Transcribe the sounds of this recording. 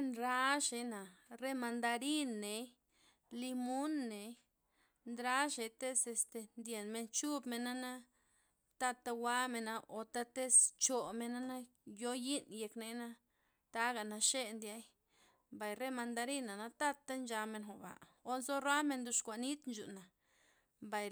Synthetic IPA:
nɾa˦ʃe˧na˨re˦ma˧nd̪a˧ɾi˦nːe˨˦ | li˧mu˦nːe˨ | nd̪ɾa˦ʃe˨t̪e˦se˧st̪e˧nd̪je˨nme˧nt͡ʃu˦bme˧nːa˦na˦ | t̪a˧t̪a˧wa˦me˧na˧ʔo˨t̪a˦t̪e˦st͡ʃo˨me˧na˦na˦ | jo˦ji˦nje˧kne˧˦na˦ | t̪a˦ɡa˨na˧ʃe˦nd̪ja˧˦j | mba˨jre˦ma˧nd̪a˧ɾi˦na˨na˧t̪a˦t̪a˦nd͡ʒa˧me˧nxo˨ba̰˨ | o˦nzo˦ɾa˦me˧nd̪u˧ʂkʷa˨ni˦t̪nd͡ʒṵ˨na˨ | mba˨

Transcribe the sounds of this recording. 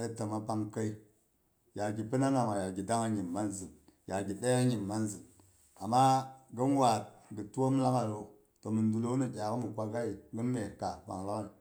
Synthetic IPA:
ə˦tə˨ma˨pa˦ŋkə˦i˦ | ja˨ɡi˨pə˦na˦na˨ma˨ja˨ɡʲi˨da˦ŋa˦ɲi˨mːa˦nzi˨nja˨ɡi˨ɗe˦a˦ɲi˨mːa˦nzi˨n | a˨ma˦ɡə˦n˦wa˨tɡə˨tu˦wo˦m˦la˦ŋa˨ɾo˨ | to˨mɨ˨ndu˨lo˦nə˨kʲa˨kə˦mi˨kʷa˨ɡa˦i˨ɡə˦nme˨ka˨wa̰˨ŋla˦kn˨

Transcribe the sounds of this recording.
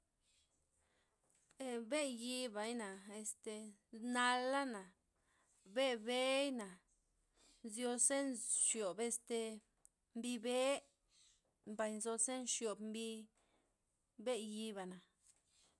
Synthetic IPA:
e˧be˦ji˧ba˨jna˨e˧st̪e˧na˧lːa˦na˨ | be˦be˦jna˨ | zjo˧se˦nʃjo˨be˧st̪e˨ | mbi˧be˦ | mba˨jnzo˧se˦nʃjo˨bmbi˧ | be˦ji˧βa˨na˨

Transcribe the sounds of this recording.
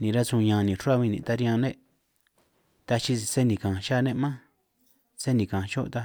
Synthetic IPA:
nĩ˨ɾa˧sũ˧ɲã˨˧nĩ˨ʂo˦a˦βĩ˧nĩ˨t̪a˧ɾjã˧nẽ˦ | t̪a˧t͡ʃi˧se˦nĩ˨kã˨ʃa˦˧nẽ˦ʔmã˦ | se˦nĩ˨kã˨ʃo˦ʔt̪a˧

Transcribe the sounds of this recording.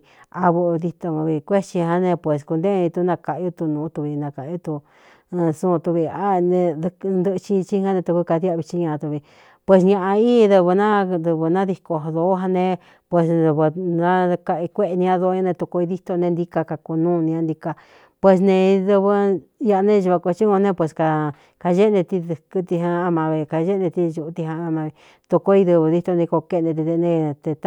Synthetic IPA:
a˧βu˧ði˧t̪o˧βi˧kʷe˦t͡ʃi˧ɦã˧nẽ˧pwʷe˨s̬ku˧nd̪e˦˧ĩ˧t̪u˧˦nã˧ka˧ʔju˦t̪u˧nũ˨˦t̪u˧βi˧nã˧ka˨˧u˦t̪u˧ | sũ˦˧t̪u˧βi˧a˦˧nẽ˧nd̪ɨ˦˧t͡ʃi˦˧t͡ʃi˦ha˦nẽ˧t̪u˧kɨ˧ka˧ðja˦˧βi˧t͡ʃi˦ɲã˧ʔa˧t̪u˧βi˧ | pwe˧s̬ɲã˧ʔa˧ĩ˦˧ðɨ˧βɨ˧nã˦d̪ɨ˧βɨ˧nã˦ði˧ko˧ðo˧˦ɦa˧nẽ˧ | pwe˧sðɨ˧βɨ˧nã˦˧ka˧i˧kʷe˦ʔe˧nĩ˧ã˧ðo˧˦ɲã˧nẽ˧t̪u˧ko˧i˧ði˦t̪o˧nẽ˧nd̪i˧ka˧ka˧ku˧nũː˦˧nĩ˧ã˧nd̪i˧ka˧ | pwe˧s̬nẽ˧ðɨ˧βɨ˧ja˧nẽ˦˧ʒu˧βa˧ko˧t͡ʃi˦kõ˧nẽ˧pwʷe˧ska˧ | ka˧ʒe˦nẽ˧t̪i˧kɨ˦t̪i˧ɦa˧a˧mã˧βi˧ka˧ʒe˦nẽ˧t̪i˧ʒu˧t̪i˧ã˧a˧mã˧βi˧ | t̪u˧ko˧i˧ðɨ˧βɨ˧ði˦t̪o˧nĩ˧ko˧ke˧nẽ˧t̪̬i˧ðe˧nẽ˧t̪e˧t̪

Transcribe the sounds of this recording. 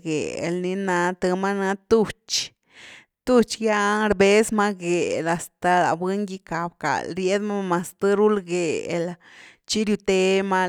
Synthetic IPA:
ɡḛ˨ḛ˨˧lni˧˦na˧t̪ɨ˧ma˦na˧t̪u˦t͡ʃ | t̪u˦t͡ʃja˦ɾbe˦sma˦ɡe˨la˨st̪a˨la̰˨be˦ŋɡi˧ka˨bka̰˨lɾje˦d̪ma˦ma˨st̪ɨ˦ɾu˦lɡe˨e˨l | t͡ʃi˦ɾju˧t̪e˧˦ma˦

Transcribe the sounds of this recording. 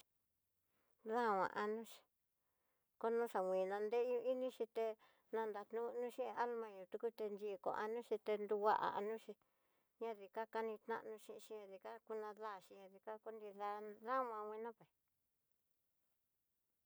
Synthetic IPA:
ða˦˨wã̰˧˨ʔa˧nũ˦ʃi̥˧ | ko˦nũ˦ʂa˨wʷĩ˨nã˧nd̪e˦ɲũ˧i˦nĩ˦ʃi˧t̪e˧ | nã˧nd̪a˧t̪nũ˦˧nũ˦ʃĩ˦˧a˦lmã˧ɲũ˨˧t̪u˧ku˦t̪e˧nd͡ʒi˧˨kõ̰˧˨ʔa˧nũ˦ʃi˧t̪e˧nd̪u˧wa˦ʔa̰˨a̰˧nũ˦ʃi˧ | ɲã˧ði˨ka˦ka˦nĩ˧t̪nã̰˦ʔnũ˧˦ʃĩ˧ʃĩ˦ã˧ði˧ka˦ku˦nã˧ða˦˨ʃi˧ɲã˧ði˧ka˦ko˦nd̪ĩ˧ða˧ða˦wã˧wʷĩ˧nã˦pe˨

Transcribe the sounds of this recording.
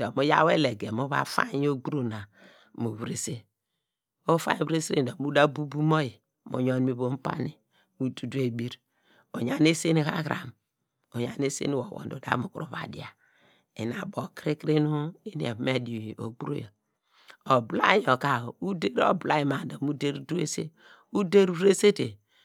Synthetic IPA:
d̥o˨mo˦ja˦we˦le˨ɡe˨mo˦βa̰˦fa̰˦ɲ˦o˦ɡɾo˦na˨ | mo˨βɾe˨se˦ | o˦fa̰˦βɾe˦sɾḛ˦˨do˨mu˦da˦bu˦bu˦mo˦ji˨ | mo̰˨ɲo˨n˦mi˨βo˨m̩˦pa̰˦ni˨ | mu˦tu˨de˨bi˦ɾ | o˨ɲa˨ne˦se˦ni˦ha̰˦ɣɾa̰˨m | o˨ɲa˨ne˦sḛ˦ni˦wo˨wo̰˨n˨do˨da̰˦mu˨ku˦ɾo˨βa̰˨dḭ˨a˨ | e˨na˨bo˨kɾi˦kɾi˦nu˦i˦ni˨e˨me˦do˨o˨ɡ͡bu˦ɾo̰˦jo˨ | o˨bla̰˦jo˨ka˨u˦de˦ɾo̰˦bla˦ji˨ma˨do˨mu˦de˦ɾdu˦e˦sḛ˦ | u˦de˦ɾu˦ɾe˦se˦te˨

